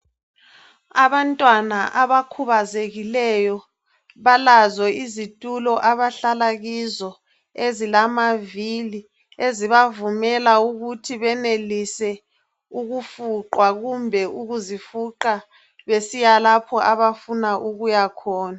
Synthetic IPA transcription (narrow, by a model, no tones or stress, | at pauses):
aβantʼwanaʔaβakʰuβazeɣilɛjɔ | βalazɔizitʼulɔʔaβaɬalaɣizɔ | ezilamavili | eziβavumɛlauɣutʰiβɛnelisɛ | uɣufuǃwaɣumbʱɛuɣuzifuǃa | βesijalapʰɔʔaβafunaʔuɣujakʰɔːna